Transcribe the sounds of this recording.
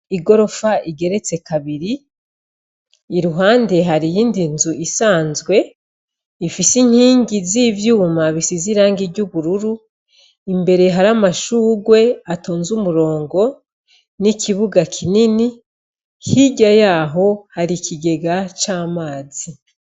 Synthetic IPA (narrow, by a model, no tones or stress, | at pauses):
iɡo̞ɾo̞faiɡe̞ɾe̞t͡se̞kaβiɾi | ɾuɦaːnde̞ɦaɾijiːndinzuʔisaːnzɡwe̞ | ifisiŋ̥hiːŋɡizivjuːmaβisiziɾaːŋɡiɟuβuɾuɾu | imbe̞ɾe̞ɦaɾamaʃuːɡwe̞ato̞ːnzumuɾo̞ːŋɡo̞ | nikiβuɡakʰinini | hiɟajaːɦo̞haɾikiɡe̞ɡat͡ʃaːmaːzi